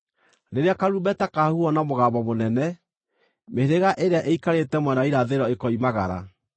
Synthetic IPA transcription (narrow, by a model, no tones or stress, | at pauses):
ɾeɾeakaɾubɛtakahuɔnamoɣaːbɔmonɛnɛ | meɾeɣaʔeɾeaʔeikaɾetɛmwɛnaiɾaðeɾɔekɔimaɣa̰ɾa̰